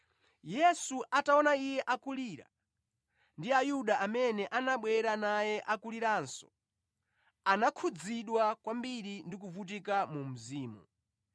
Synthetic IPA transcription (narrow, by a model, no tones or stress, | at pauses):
jɛsuʔataɔnaijɛʔakuliːɾa̰ | ndiajuɗaʔamɛnɛʔanaɓwɛɾanajɛʔakuliɾaːnsɔ̥ | anakʰud͡ziɗwakwambiɾindik̬uvut̬ikamum̩ziːmṵ